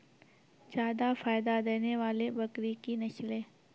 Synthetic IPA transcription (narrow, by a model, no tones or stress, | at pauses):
d͡ʒaːd̪afaːjd̪ad̪eːneʋaːlebɐkɾikinɐʃlẽː